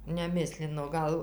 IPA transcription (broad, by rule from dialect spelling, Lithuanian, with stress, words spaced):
nʲɛˈmʲɪsʲlʲɪnoː ˈɡɐlˠ